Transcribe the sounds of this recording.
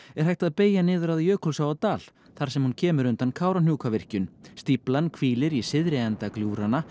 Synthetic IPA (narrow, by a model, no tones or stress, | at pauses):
ɛɾ̥hajht̪aðpeːjanɪːðʏɾaðjœːkʰɔlsawat̪aːl | θaɾ̥sɛmhuncʰɛːmʏɾʏnt̪ankʰaːwɾanjuːkavɪr̥cʏnst̪iplankʰviːlɪɾisɪðɾɪɛnt̪akljuːɾana